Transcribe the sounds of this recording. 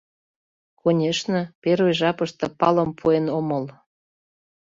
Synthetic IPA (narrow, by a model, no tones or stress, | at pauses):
konʲeʃnɤ̆peɾojʒɑpəʃt̪ɤ̆pɑlə̆mpʰuenoməl